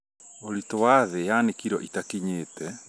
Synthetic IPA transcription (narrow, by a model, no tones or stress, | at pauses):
oɾitɔwaðejanekiɾɔ̰ʔitakiɲeːtɛ